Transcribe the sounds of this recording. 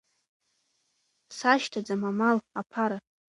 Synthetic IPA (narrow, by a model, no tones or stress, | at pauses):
saʃtʰad͡zamamalapʰaɾa